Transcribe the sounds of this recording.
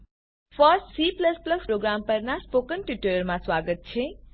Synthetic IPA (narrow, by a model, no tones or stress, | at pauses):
pʰəsʈsipləspləspɾoɡɾampəɾnaspokənʈiʈəɾəɾmãswaɡət̪̚t͡ʃʰẽ